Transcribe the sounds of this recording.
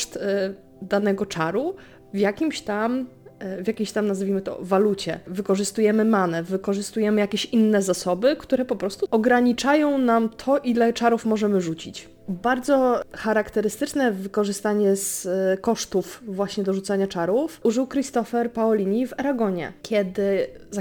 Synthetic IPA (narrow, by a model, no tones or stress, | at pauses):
ʂt̪ | d̪anɛɡɔt͡ʂaɾu | vʲjakʲimɕt̪amvʲjakʲeɕt̪amnazvʲimɘt̪ɔ̰valut͡ɕɛ̰vɘkɔʐɘst̪ujɛmɘmanɛvɘkɔʐɘst̪ujɛmɘjakʲeɕinːɛzasɔbɘkt̪uɾɛpɔpɾɔst̪uɔɡɾaɲit͡ʂajɔ̃w̃namt̪ʰɔʔilɛt͡ʂaɾufmɔʐɛmɘʐut͡ɕit͡ɕ | baɾd̪zɔxaɾakt̪ɛɾɘst̪ɘt͡ʂnɛvɘkɔʐɘst̪aɲɛskɔʂt̪ufvwaɕɲɛd̪ɔʐut̪saɲat͡ʂaɾufʔuʐɘwkɾist̪ɔfɛɾpaɔlʲiɲivaɾaɡɔɲɛ̰kʲjɛd̪ɘza